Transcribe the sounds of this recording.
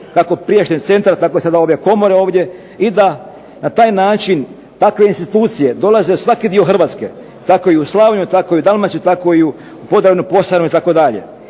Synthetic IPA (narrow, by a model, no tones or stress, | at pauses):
kako̞pɾijeʃt̪et̪se̞nt̪ɾt̪ako̞esad̪ao̞ːʋjeko̞mo̞ɾeo̞ːʋd̪ʲje̞ | id̪a | nat̪aːjnaːt͡ʃin | t̪akʋe̞inst̪it̪uːt̪sije̞d̪o̞lazesʋakid̪io̞xr̩ʋaːt̪ske̞ | t̪ako̞iuslˠaːʋɲut̪ako̞iud̪almansʲut̪ako̞iu | po̞d̪ɾaʋʲnupo̞sanuit̪ako̞d̪aʎe̞̰